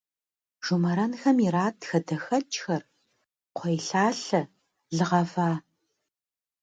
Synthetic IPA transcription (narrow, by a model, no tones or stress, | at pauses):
ʒ̥umɐɾɐnxɐmiraːtxɐdɐxɐt͡ʃʼxɐr | qʷʰejɬaːɬɐ | ɮɨʁɐvaː